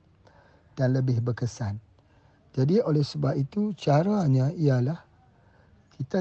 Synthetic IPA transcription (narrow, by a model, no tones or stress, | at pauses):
d̥anləbɪhbərkəsan | d͡ʒadiolɛhsəbapit̪ut͡ʃaɾaɲãialah | kʰit̪a